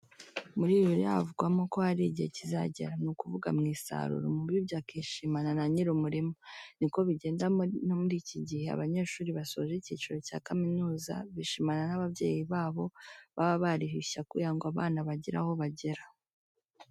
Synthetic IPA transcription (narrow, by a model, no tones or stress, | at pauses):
muɾiːβiɾia̰a̰vuɡwamoko̞haɾiɟihḛciza̰ɟḛɾanukuvuɡa̰mŋiːsa̰ɾṵɾo̰mubjibjakiʃimananaɲiɾumuɾimoniko̞βiɟe̞ːndanomuɾiːciɟihe̞a̰βaɲe̞ːʃuːɾiβaso̞ʒeciːt͡ʃiɾo̞ca̰ːkaminuːza̰βiʃimananaβaβje̞̰ːjiβaːβo̞βaβaβaɾihiʃakijaŋɡoaβaːnaβaɟiɾa̰ho̞βaɟe̞ɾa